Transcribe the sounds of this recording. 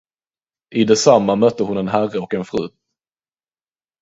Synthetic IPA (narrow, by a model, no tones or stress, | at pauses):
ʔɪd̪ɛsamːamœt̪ːəhʊnɛnɦærəɔkɛnfɾʉ̟ː